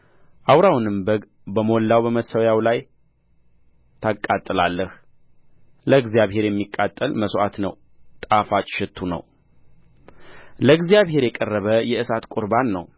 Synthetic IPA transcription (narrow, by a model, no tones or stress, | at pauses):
ʔawɾawnɨmbəɡ | bəmo̞lːawbəməsəwjawlaj | t̪ʰakʼːat̪ʼːɨlalːəh | ləɡzijaβɦe̞ɾjɛmːikʼːat̪ʼːəlməsʔat̪nəw | t̪ʼafat͡ʃʼʃɪt̪ʰːunə̰w | ləɡzijaβhe̞ɾjɛkʼərːəβəjɛʔɨsat̪kʷʼʊɾbanːəw